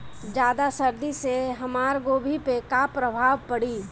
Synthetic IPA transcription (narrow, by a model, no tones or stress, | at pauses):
d͡ʒjaːd̪asɐɾd̪iseɦɐmaːɾɡoːbʱipekapɾəbʱaːʋpɐɽiː